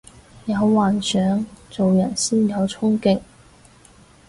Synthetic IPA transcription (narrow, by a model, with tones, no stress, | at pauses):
jɐ˨˧wwaː˨˩nsœː˨˥ŋt͡so˨wjɐ˨˩nsiː˥njɐ˨˧wt͡sʰʊ˥ŋkɪ˨ŋ